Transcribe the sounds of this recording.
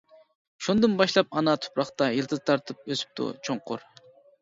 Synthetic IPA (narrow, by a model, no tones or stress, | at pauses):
ʃund̪ɨnbɑʃlˠɑp̚ɑnɑt̪ʰʊ̥pɾɑχt̪ɑjilˠt̪ʰɨd̪ɨt̪ʰɑɾt̪ʰɨp̚øsy̥p̚t̪ʰṵt͡ʃʰoɴqʰʊ̰ɾ